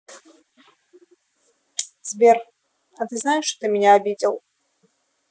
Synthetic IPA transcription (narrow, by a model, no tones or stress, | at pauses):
zʲbʲɛr | ɐt̪ɨznajɛʂt̪ɔ̥t̪ɨmʲɛnʲɛabʲid͡zʲɛw